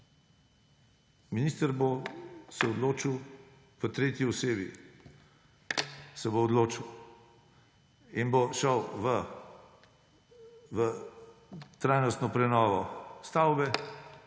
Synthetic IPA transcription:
minist̪əɾbosɛɔd̪loːt͡ʃiw | ʋət̪ɾeːt̪jiɔseːbi | sɛboːd̪loːt͡ʃiw | inboʃəwʋə | ʋə | t̪ɾajnɔst̪nɔpɾɛnɔːʋɔst̪awbɛ

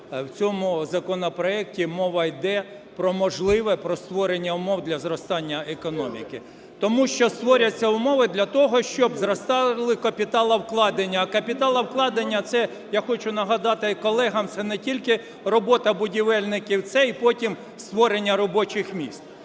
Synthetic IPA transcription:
wt͡sʲɔmʊzɐkɔnɔpɾɔɛk̚tʲimɔʋɐjd̪ɛ | pɾɔmɔʒlˠɪʋɛpɾɔst̪ʋɔɾenʲːɐʊmɔwd̪lʲɐzrɔst̪ɑnʲːɐekɔnɔmʲḭkɪ | t̪ɔmuʃt͡ʃɔst̪ʋɔɾʲɐt͡sʲːɐʊmɔʋɪd̪lʲɐt̪ɔɦɔʃt͡ʃɔbzɾɔst̪ɑlˠɪkɐpʲit̪ɑlˠɐwklˠɑd̪enʲːɐːkɐpʲit̪ɑlˠɐwklˠɑd̪enʲːɐt̪sɛ | jaxɔt͡ʃʊnɐɦɐd̪ɑt̪ɪkɔlˠɛɦɐmt̪sɛnɛtʲilʲkɪ | rɔbɔt̪ɐbʊdʲiʋɛlʲnɪkʲiwt̪sɛipɔtʲim | st̪ʋɔɾenʲːɐɾɔbɔt͡ʃɪxmʲist̪̚

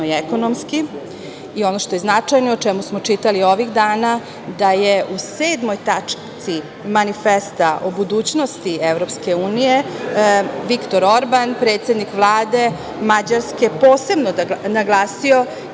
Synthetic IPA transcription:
iekonomski | io̞noʃt̪o̞je̞znat͡ʂajnoot͡ʃemusmo̞t͡ʂit̪alio̞ʋiɣd̪aːna | d̪ajeʔuseːd̪mojt̪at͡ʂt̪si | manifest̪aʔobud̪uːt͡ɕnost̪ievɾo̞pske̞uːnije | ʋikt̪o̞ɾoɾbanpɾe̞ːt̪sjed̪nikʋlˠaːd̪e̞ | mad͡ʑaɾske̞po̞ːse̞bnonaɡlˠaːsio̞

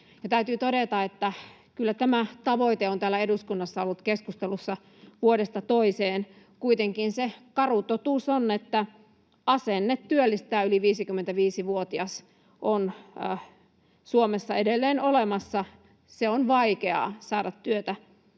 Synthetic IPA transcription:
jɑt̪æyt̪yːt̪oɾet̪ɑet̪ːæ | kylːæt̪æmæt̪ɑʋoit̪eont̪æːlːæeduskunːɑsːɑolːut̪keskust̪elusːɑ | ʋuodest̪ɑt̪oiseːn | kuit̪eŋkinsekɑrut̪ot̪uːˑsonːet̪ːæ | ɑsenːet̪tyølːist̪æːyliʋiːsikymːent̪æʋiːsiʋuot̪iɑs | ʔonː | suomesːɑedelːeːnolemɑsːɑ | seonʋɑikeɑ̰sɑːdɑt̪tyøt̪æ

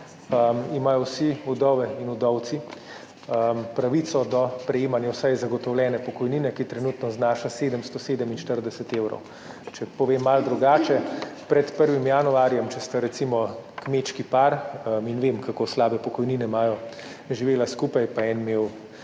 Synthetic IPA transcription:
əmimaːjɔwsiud̪ɔʋɛinud̪ɔwt̪si | əmpɾaʋit̪sɔd̪ɔpɾɛjeːmanjawsajzaɡɔt̪ɔwlʲɛːnɛpɔkɔjniːnɛkit̪ɾɛnut̪nɔznaːʃaseːd̪əmst̪ɔseːd̪əminʃt̪əɾd̪ɛsɛt̪ewɾɔ̰w | t͡ʃɛpɔʋemːald̪ɾuɡaːt͡ʃɛpɾɛt̪pəɾʋimjanuaːɾjɛmt͡ʃɛst̪aɾɛt̪simɔkmet͡ʃkipaɾəinʋeːmkʰakoslaːbɛpɔkɔjninɛmaːjɔ | ʒiʋeːlaskuːpajpaɛnmew

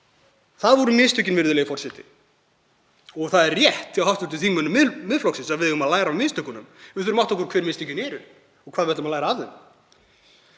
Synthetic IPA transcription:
θaðvɔɾʏmɪst̪ʏcɪnvɪɾðʏlɛjɣɪfɔrsɛt̪ɪ̰ | ɔɣθaðɛrːjɛht̪ːɪawhawft̪ʏɾt̪ɪθiːmʏnʏmːɪmɪðflɔksɪnsaðvɪðʏɣʏmaðlaːjɾamɪːst̪œkʏnʏmvɪ̥θʏɾmawht̪ɔhkʏɾkʰvɛːɾmɪːst̪ʏcɪnɛːɾʏ | ɔɣkʰvaːðvɛɾt̪amaðlajɾaavðɛm

